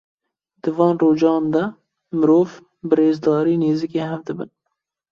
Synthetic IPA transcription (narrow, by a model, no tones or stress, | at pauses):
d̪ɨvɑːnroːd͡ʒɑːnd̪ɛ | mɨɾoːv | bɨreːzd̪ɑːɾiːneːzikeːɦɛvd̪ɨbɨn